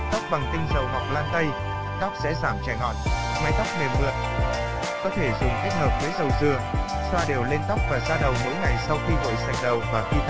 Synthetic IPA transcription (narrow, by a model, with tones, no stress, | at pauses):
t̪a˦˥k͡p̚ɓa˨˩ŋt̪ï˧ŋ̟zə˨˩wɦɔ̰˨w̚laː˧nt̪ə˧j | t̪a˦˥wk͡p̚sɛ̰˧˥zaː˧˩mt͡ɕa˨˩jŋɔ̰˧˨ | ma˨˦jt̪a˦˥k͡p̚me˨˩mmɨ̰˧˨əʔ | kɔ˨˦t̪ʰe˧˩zʊ˨˩ŋ͡mke˦˥t̚həː˨˩p̚ve˨˦zə˨˩wzɨ˨˩ə | swaː˧ɗe˨˩wle˧nt̪a˦˥wk͡p̚vaː˨˩zaː˧ɗə˨˩wmo̰˧˥jŋa˨˩jsa˧wxi˧ɣo̰˧˨jsa˨˩ŋ̟ɗə˨˩wvaː˨˩xwi˧t̪ʰ